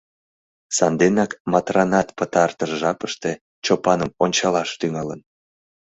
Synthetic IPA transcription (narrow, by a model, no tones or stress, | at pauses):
sɑnd̪enɑkmɑt̪rɑnɑt̪pət̪ɑrt̪əʃʒɑpəʃt̪e̽ | t͡ɕopɑnəmonʲt͡ɕɑlɑʃt̪yŋɑlən